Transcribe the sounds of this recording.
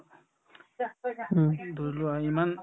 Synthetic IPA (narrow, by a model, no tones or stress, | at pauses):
d̪ʱuluaiman